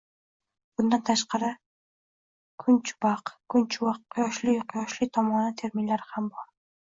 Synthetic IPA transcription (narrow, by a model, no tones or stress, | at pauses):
b̥ʊnd̪ant̪ʰaʃqɑɾɪ | kʰʊnt͡ʃbɑqkʰʊnt͡ʃʰuwɑqʰːjɒʃlɪjqʰjɒʃlˠɪt̪ʰɒmɒnat̪ʰeɾminlaɾɪhambɒɾ